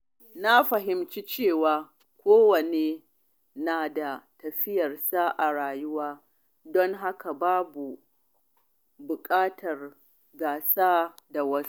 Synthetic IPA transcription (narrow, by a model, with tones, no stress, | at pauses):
na˦ɸɐ˨ɦɪ˨mt͡ʃi˦t͡ʃeː˦˨waː˨ | kʷoː˦wɐ˨neː˨ | naː˨da˨tɐ˨ɸɪ˦jɐ˨rsaː˦ʔa˨ɽaː˨jʊ˦waː˦ | dɔ˦ŋɦa˦ka˨baː˦bu˨ | bʊ˨kʼaː˦tʰɐ˨r | ɡaː˨saː˦da˨wɐ˦s